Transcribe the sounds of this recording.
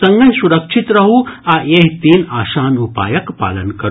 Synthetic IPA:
ɐ̃ŋɡɐnsuɾɐkʂit̪ɾɐɦuajeɦt̪iːnaːʃaːnupa̰ːjɐkpa̰ːlɐnkɐɾ

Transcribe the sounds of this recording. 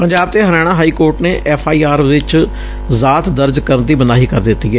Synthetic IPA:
pəɲd͡ʒaːb̚t̪eːɦəɾɛːɽ̃ãːɦaːiːkoːɾʈneːʔɛːpʰaːiːaːɾʋɪt͡ʃ | zaːt̪d̪əɾd͡ʒkəɾənd̪iːbənaːɦiːkəɾd̪ɪt̪ːiːɛː

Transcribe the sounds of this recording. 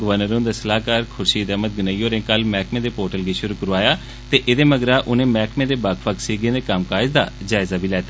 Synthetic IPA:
ɡəʋəɾnəɾõːnd̪aːsəlaːkaːɾkʰʊɾʃiːd̪əːmət̪̚ɡɪnaːiːoːɾẽːkəlmɛːkmẽːd̪eːpoːɾʈəlɡeːʃʊɾuːkəɾʋaːjaː | t̪eːʔɪd̪eːməɡɾaːʔʊnẽːmɛːkmẽːd̪eːbakʰʋəksiːɡẽːd̪eːkəmkaːɪd͡ʒd̪a̰ːd͡ʒaːɪzaːbʱiːlɛːt̪aː

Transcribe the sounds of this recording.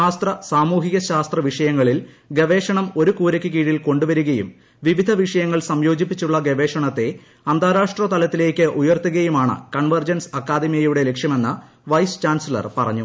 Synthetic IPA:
aːst̪rɐsaːmuːɦiɣɐɕaːst̪rɐʋiʂɐjɐŋːɐɭil | ɡeʋe̞ːʂɐɳɐmo̞ɾukuːɾɐkʲːɨkiːɻilko̞ɳɖuʋɐɾuɣɐjṵm | ʋiʋid̪ʱɐʋiʂɐjɐŋːɐɭsɐmjo̞ːd͡ʑipːit͡ɕːuɭːɐɡeʋe̞ːʂɐɳɐt̪ːe̞ | ɐnd̪ʱaːɾaːʂʈrɐt̪ɐlɐt̪ːile̞ːkʲːɨʔujɐrt̪ːuɣɐjumaːɳɨ̰kɐɳʋɐrd͡ʑɐnsɐkːaːd̪ʱimjɐjuɽe̞le̞kʂjɐme̞nːɨ | ʋɐjst͡ɕaːnsilɐ̰rpɐrɐ̰ɲːu

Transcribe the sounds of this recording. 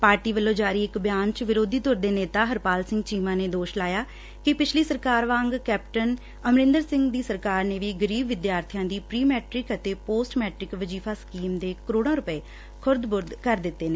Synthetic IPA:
paːɾʈiːʋəlːõːd͡ʒaːɾiːɪkbjaːnt͡ʃʋɪɾoːd̪ʱiːt̪ʊɾd̪eːneːt̪aːɦəɾpaːlsɪ̃ŋɡt͡ʃiːmãːneːd̪oːʃlaːjaː | kɪpɪt͡ʃʰliːsəɾkaːɾʋãːŋɡkɛːpʈən | əmɾɪ̃nd̪əɾsɪ̃ŋɡd̪iːsəɾkaːɾneːʋiːɡəɾiːbʋɪd̪jaːɾt̪ʰijãːd̪iːpɾiːmɛːʈɾɪkət̪eːpoːsʈmɛːʈɾɪkʋəd͡ʒiːpʰaːskiːmd̪eːkəɾoːɽ̃ãːɾʊpəeː | kʰʊɾd̪bʊɾd̪kəɾd̪ɪt̪ːeːneː

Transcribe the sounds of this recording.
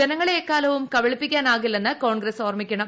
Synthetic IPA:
ɐnɐŋːɐɭekːaːlɐʋumkɐʋɐɭipːikʲːaːnaːɣilːenːɨko̞ːɳɡɾesoːrɐmikʲːɐɳɐm

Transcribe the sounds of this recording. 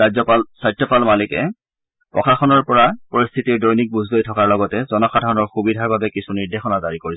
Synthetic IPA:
azɔpalsajtʰːɔpalmalikɛ̰ | pɔ̰xʰaxɔnɔɹpɔɹapɔɹist̪ʰitiɹdɔjnik̚buzʱlojtʰɔkaɹlɔɡɔtɛzɔnɔkxadʱaɹɔnɔɹxubidʱaɹbabɛkisʰuniɹdʱexɔnazaɹikoɹis

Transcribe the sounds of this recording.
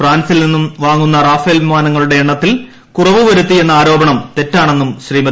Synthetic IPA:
fraːnsilninːumʋaːŋːunːɐraːfelʋimaːnɐŋːɐɭuɽe̞ːɳːɐt̪ːil | kurɐʋuʋɐɾut̪ːie̞nːɐaːɾo̞ːbɐɳɐmt̪e̞tːaːɳe̞nːumɕriːmɐ

